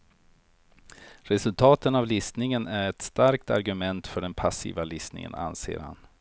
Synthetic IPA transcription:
ɾɛsɵlt̪ʰɑːt̪ənavlɪsnɪŋənæɾɛt̪st̪aɾkt̪a̰ɾɡɵmɛnt̪fœɖɛnpʰasḭːvalɪsnɪ̰ŋə̰na̰nsḛːɾha̰n

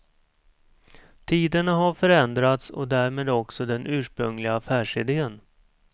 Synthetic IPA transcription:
t̪ʰiːd̪ənaɦaɾfœɾɛnd̪ɾat̪sɔ̰d̪æːɾmeːd̪ɔksɔd̪ɛnʔʉ̟ːʂpɾɵŋlɪɡaːfæːʂɪd̪eːən

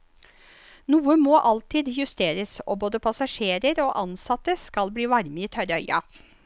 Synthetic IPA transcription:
nuːəmoːʔɑlt̪iːd̪jʉst̪eːɾəso̰ːboːd̪əpʰɑsɑʂeːɾəɾoːʔɑnsɑt̪əskɑlbliːʋɑɾməiːt̪ʰœɾəœʏʔɑ̰

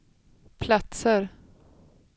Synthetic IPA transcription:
pʰlat̪səɾ

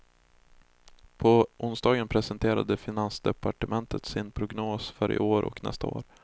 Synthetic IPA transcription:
pʰɔʔʊnsd̪ɑːɡənpʰɾɛsənt̪ʰeːɾa̰d̪əfɪnansd̪ɛpaʈəmɛnt̪ət̪sɪnpʰɾʊɡnoːsfœɾʔɪ̰ʔoːɾʔɔ̰knɛ̰st̪ao̰ːɾ

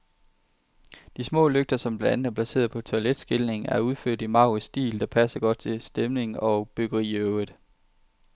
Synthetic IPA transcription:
d̥ismɔ̰̽ːløɡ̥̚d̥ɐsɒ̽mb̥læænð̩æɐpʰlæse̝̰ːɐð̩ˠpʰɒ̽t͡sʰo̝æled̥sɡ̥elne̝ŋæɐuð̞ˠfø̰ɐ̰d̥imɑ̈ʊʁisd̥ḭːld̥ɑ̈pʰæsɐɡ̥ɒ̽d̥̚t͡sʰe̝sd̥emne̝ŋɒ̽b̥øɡ̥ɐʁḭːøʊð̥̩ˠ

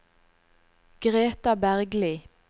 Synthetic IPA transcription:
ɡ̥ʁeːt̪ɑbæʁɡliː

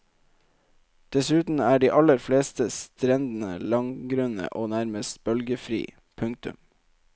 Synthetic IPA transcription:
d̪̥ɛsʉːt̪n̩æːɖiːʔɑləɾfleːst̪əst̪ɾɛnd̪n̩ə̰lɑŋɡɾœnə̰ʔoːnæɾməst̪b̥œlɡəfɾḭː | pʰʉŋk̚t̪ʉ̰m

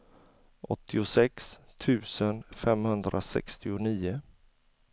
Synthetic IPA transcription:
ʔɔt̪ʰːɪʊsɛkst̪ʰʉ̟ːsənfɛmhɵnd̪ɾʔa̰sɛ̰kst̪ɪʊniːʊ

